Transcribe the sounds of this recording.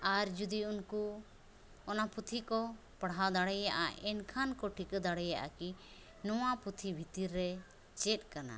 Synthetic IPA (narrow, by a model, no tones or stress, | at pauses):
aɾd͡ʒud̪iunku | ɔnaput̪ʰikɔ | pəɽɦad̪aɽɛjaʔa̰ʔɛnkʰankɔʈʰikd̪aɽɛjaʔa̰ki | nɔwaput̪ʰibʱit̪iɾːɛ | t͡ʃɛt̪̚ˀkana̰